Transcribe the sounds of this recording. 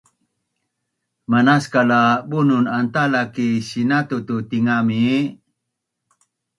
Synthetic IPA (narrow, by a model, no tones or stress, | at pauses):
manaskalabununant̪alakisinat̪ut̪ut̪iŋami